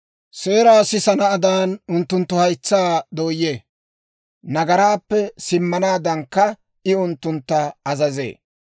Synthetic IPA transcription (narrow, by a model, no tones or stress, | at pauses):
seːɾaːsɪsɐnɐːd̪aːnʊnt̪ːʊnt̪ːʊhɐjt͡sːaːd̪oːjːeː | nɐɡɐɾaːpːɛsɪmːɐnaːd̪ɐŋkːɐ | ɪʊnt̪ːʊnt̪ːɐɐzɐzḛː